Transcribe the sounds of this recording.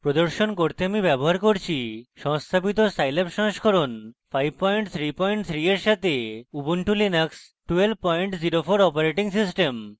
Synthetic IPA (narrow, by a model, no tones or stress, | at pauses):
pɾod̪oɾʃonkoɾt̪eamibɛboɦaɾkoɾt͡ɕʰiʃɔŋst̪ʰabit̪osajlapʃãŋʃkʰoɾonfʰajb̚pɔjɳʈt̪ʰɾipɔjɳʈ̚t̪ʰɾieɾʃat̪ʰeubuɳʈulinaks | ʈuelb̚pɔjɳʈd͡ʑiɾofoɾɔpaɾeʈiŋsisʈem